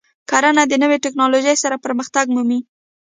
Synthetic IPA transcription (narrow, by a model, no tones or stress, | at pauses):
kaɾanad̪ənəweʈɪknɑloʒəjsaɾapəɾməxt̪aɡmumi